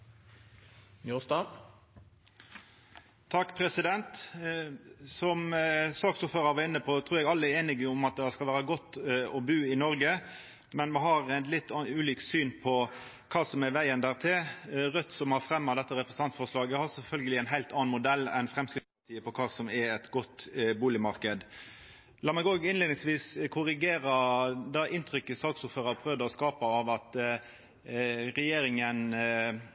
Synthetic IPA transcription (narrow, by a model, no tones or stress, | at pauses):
njust̪ɑː | t̪ʰɑkːpʰɾɛsɪd̪ɛnt̪ | sɔmsɑːɡsuːføːɾəɾʋɑɪnːəpʰɔt̪ʰɾuːɾɛɡɑlːəɛɾeːnɪɡəɔmɑt̪̚d̪ɛɑskɑlʋæːɾəɡɔt̪ːɔbʉːɪnɔɾɡə | mɛnmʋɛɦɑɾɛlɪt̪ːʉːliːksyːnpʰɔ | kʰɑːsɔmɛʋæɪənd̪æːʁt̪ʰɪlʁœt̪ːsɔmhɑɾfɾɛmːɑd̪ɛt̪ːəɾɛpɾəsn̩t̪ɑnt̪fɔʁʂlɑːɡəhɑɾsɛfœlɡəlɪæɪnɦæɪlt̪ɑɑnmʊd̪ɛlːɛ̰nfɾɛmskɾɪt̪pɑt̪ʰiːəpɔkʰɑːsɔmɛɾɛt̪ɡɔt̪ːbuːlɪmɑɾkəd̪ | lɑːmɛɡoːɡɪnleːd̪ɪŋsʋiːskʰʊɾɪɡeːɾəd̪ɑʔɪnt̪ʰɾʏkːəsɑːksʊføːɾəpʰɾœʋd̪əɔskɑːpɑɑʋɑt̪ | ɾɛjeːɾɪŋən